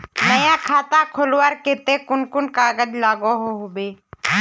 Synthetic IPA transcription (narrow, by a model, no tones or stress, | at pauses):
nəjãːkʰaːt̪ãːkʰolwaɾket̪eːkʊnkʊnkaːɡəd͡ʒlaːɡoːɦoːɦobeː